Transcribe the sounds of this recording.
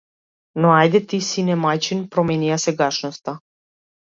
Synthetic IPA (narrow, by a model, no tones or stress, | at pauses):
noajd̪ɛt̪isinɛmajt͡ʃinpɾɔmɛniasɛɡaʃnɔst̪a